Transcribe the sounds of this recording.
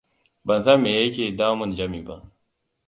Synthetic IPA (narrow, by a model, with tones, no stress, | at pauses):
bɐ˨nsa˦meː˨jɐ˦kʲeː˨daː˦mʊ˦˨nd͡ʒɐ˦miː˨ba̰˦ʔ